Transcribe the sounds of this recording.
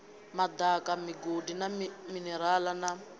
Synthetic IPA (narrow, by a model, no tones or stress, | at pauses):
mad̪akamiɡodinaminɛɾalana